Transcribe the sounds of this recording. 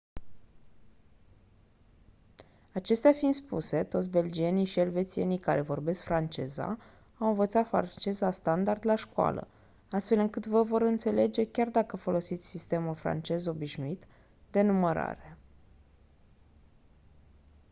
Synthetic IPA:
at͡ʃe̞st̪eafind̪spṵse̞t̪o̞t̪s̬ʲbe̞ld͡ʒie̞niʃielve̞t̪sienikaɾe̞vo̞rbe̞skfɾant͡ʃe̞̰za̰ | awɨ̃nvət̪sat̪fɾa̰nt͡ʃe̞zast̪and̪ard̪laʃkoa̰lə̰ | ast̪fe̞lɨŋkɨt̪vəvo̞ɾɨnt̪se̞le̞d͡ʒe̞kʲard̪akəfo̞lo̞sit̪sʲsist̪e̞mulfɾa̰nt͡ʃe̞zo̞biʃnuit̪ | d̪e̞numəɾa̰ɾe̞

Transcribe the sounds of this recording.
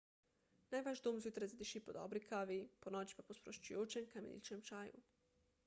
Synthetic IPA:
naːjʋaʒd̪oːmzjut̪ɾajzad̪iʃiːpɔd̪ɔ̰bɾikaːʋiponɔːt͡ʃi̥papospɾoʃt͡ʃujoːt͡ʃɛmkamḛnʲḭt͡ʃɛmt͡ʃaːjṵ

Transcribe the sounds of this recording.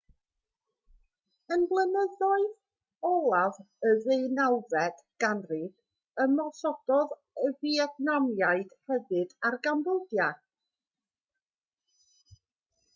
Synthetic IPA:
ənblˠənəðɔɨð | ɔlˠav | əvejnawvɛd̥ | ɡ̥anrɪɡ̥ | əmɔsɔd̥ɔð | əviɛdnɔmjaɨd̥hɛvɨdarɡanboldja

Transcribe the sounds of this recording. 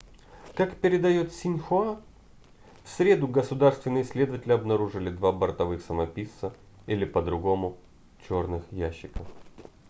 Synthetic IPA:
kakpʲɪɾʲɪd̪ɐjo̞t̪sʲɪnʲxʊa | fsɾʲed̪ʊɡəsʊd̪arst̪vʲɪnɨjɪsʲlʲed̪əvətʲɪlʲɪɐbnɐɾuʐɨlʲɪd̪vabərt̪ɐvɨxsəmɐpʲisːə | ilʲɪpəd̪ɾʊɡo̞mʊ | t͡ɕo̞rnɨxjæɕːɪkəf

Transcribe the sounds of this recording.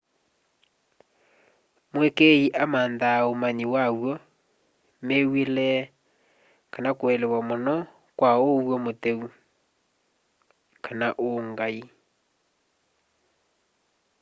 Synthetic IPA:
mwekeiʔamaːnðaomaɲiwawwɔ | mewelɛ | kanakwɛlewamonɔ | kwaowwɔmoteu | kanaʔoŋɡai

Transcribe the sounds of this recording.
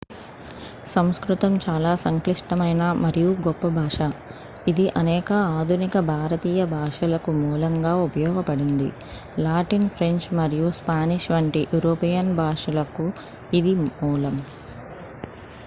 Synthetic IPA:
sɐmskɾut̪ɐmt͡ʃaːlaːsɐŋkliʂʈɐmɐjnamɐɾijuɡɔpːɐbʱaːʂɐ | id̪iʔɐnɛːkɐaːd̪ʱunikɐbʱaːɾɐt̪iːjɐbʱaːʂɐlɐkumuːlɐŋɡaːupɐjɔːɡɐpɐɽind̪ḭ | laːʈinpʰɾe̞ɲt͡ʃmɐɾijuspaːniʂʋɐɳʈiʔjʔuɾoːpijɐnbʱaːʂɐlɐku | id̪imuːlɐm

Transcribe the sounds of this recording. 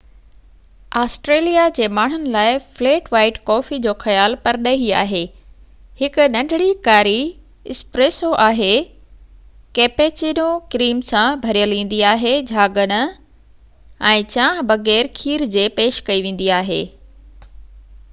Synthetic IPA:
aːsʈɾeːlijad͡ʑeːmaːɳ̤ʊnɪ̆laːɪfleːʈʋaːɪʈkɔːfid͡ʑoːxɐjaːlpɐɾɗɐɦia̰ːɦeː | hɪkʊ̆nɐ̃ɳɖʱɽikaːɾi | ɪspɾeːsoʔaːɦe | keːpeːt͡ɕinokɾiːmsãbʱɐɾijəlĩːn̆d̪iaːɦed͡ʑʱaːɡəñʊ̆ | ɛ̃ːt͡ɕãːɦbɐɣɛːɾkʰiːɾd͡ʑeːpeːʃkɐiʋẽːn̆d̪iaːɦḛː

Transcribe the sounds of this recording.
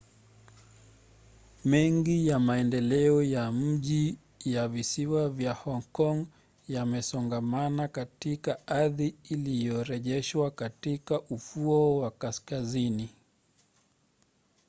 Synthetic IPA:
mɛŋɡijamaɛndɛlɛɔjam̩ʄi | javisiwavjahɔŋkɔŋ | jamɛsɔŋɡamanakatikaaðiːlijɔɾɛʄɛʃwakatikaʔufuɔwakaskazini

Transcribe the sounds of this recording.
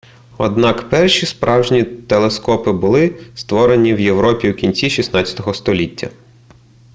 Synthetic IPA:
ɔ̰d̪nɑkpɛrʃʲispɾʔɑwʒnʲit̪elˠeskɔpɪbʊlˠɪst̪ʋɔɾe̞nʲiwje̞ʋɾɔpʲiwkʲinʲt͡sʲiʃʲisnɑt͡sʲɐ̥t̪ɔɦɔst̪ɔlʲitʲːɐ̰

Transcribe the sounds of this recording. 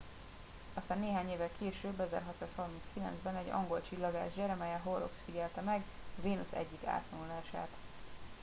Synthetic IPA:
ɒst̪aːnːeːɦaːɲeːvɛlkʰeːʃøːbːɛzɛ̰rɦɒt̪saːshɒrminskilɛ̰nzbɛnɛɟɒ̰ŋɡo̞lt͡ʃilːɒɡaːʒd͡ʒɛɾɒmɛjɛɦoro̰ksfiɟɛlt̪ɛmɛɡɒveːnusɛ̰ɟːika̰ːt̪lɒnulaːʃa̰ːt̪

